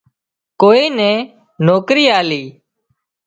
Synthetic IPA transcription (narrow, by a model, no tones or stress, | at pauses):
koːiːnɛ̃ː | noːkɾiːaːliː